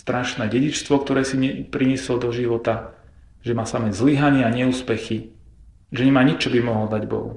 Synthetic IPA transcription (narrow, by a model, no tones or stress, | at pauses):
st̪ɾaʃnɛːɟɛɟit͡ʃst̪ʋɔkt̪ɔɾɛːsiɲɛpɾiɲɛslɔd̪ɔʒiʋɔt̪a | ʒɛmaːsamɛzliɦaɲɪɛaɲɛuːspɛxi | ʒɛɲɛmaːɲit͡ʃɔbimɔɦɔld̪aɟbɔ̰ɦṵ